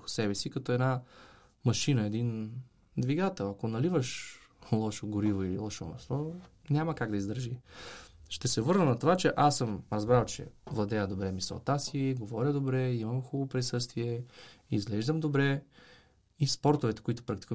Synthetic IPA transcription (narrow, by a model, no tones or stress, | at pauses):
xʊ̥sɛbɛsikɐt̪ɔɛd̪na | mɐʃinəɛd̪in | d̪viɡat̪ɛlˠɐkonɐlivəʃlˠɔʃoɡoɾivoilˠɔʃomɐ̰svɔ | nʲamɐkaɡd̪ɐizd̪əɾʒi | ʃt̪ɛsɛvɤɾnənɐt̪ovat͡ʃɛʔasəmɾəzbɾalˠt͡ʃɛ̰vlˠɐd̪ɛjəd̪obɾɛmisɛ̰t̪asiiɡovɔɾʲəd̪obɾɛimɐmxubopɾisɤst̪viɛizɡlɛʒd̪əmd̪obɾɛ | ispɔɾt̪ovɛt̪ɛ̥koit̪ʊ̥pɾak̚t̪i̥k